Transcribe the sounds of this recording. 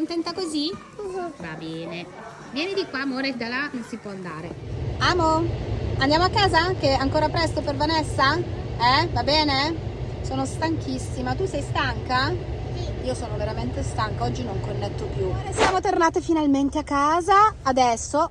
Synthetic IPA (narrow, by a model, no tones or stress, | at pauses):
kont̪ɛnt̪akozi | va̰bɛːne | vjɛːned̪ikwamoɾed̪alanonsipwɔnd̪a̰ːɾeaːmoand̪jaːmoakːaːzak̟eaŋkoːɾapɾɛst̪opervanesːaɛvabɛːne | soːnost̪aŋk̟ʰisːimat̪usɛjst̪aŋka | iːosoːnoveɾament̪est̪aŋkaɔd͡ʒːinoŋkonːet̪ːopjuesjaːmot̪ornaːt̪efinalment̪eakːaːzaːd̪ɛsːo